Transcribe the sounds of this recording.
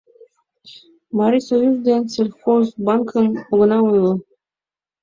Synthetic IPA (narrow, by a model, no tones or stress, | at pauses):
mɑɾʲisojuzd̪enʲselʲxozbɑŋkʰənoɡɤ̆nɑujlˠɤ